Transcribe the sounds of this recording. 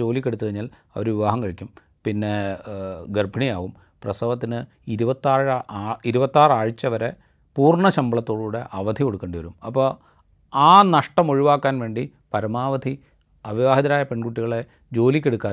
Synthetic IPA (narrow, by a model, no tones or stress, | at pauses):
o̞ːlikʲːeɽut̪ːuðeɲːaːl | ɐ̰ʋɐɾuʋiʋaːɦɐmkɐɻikʲːum | pinːe̞ | ɡerbʱɐɳijaːʋum | prɐsɐʋɐt̪ːinɨ | iɾubɐt̪ːaːrːiɾubɐt̪ːaːraːɻit͡ɕːɐʋɐɾe | puːrɳɐɕɐmbɐɭɐt̪ːo̞ːɽuːɽe̞ʔɐʋɐd̪ʱiko̞ɽukːeːɳɖɨʋɐɾumɐpːoː | aːnɐʂʈɐmoɻiʋaːkːaːnʋe̞ːɳɖi | pɐɾɐmaːʋɐd̪ʱi | ɐʋiʋaːɦɐðɐɾaːjɐpe̞ɳkuʈːiɣɐɭe | d͡ʑo̞ːlikʲːeɽukːaː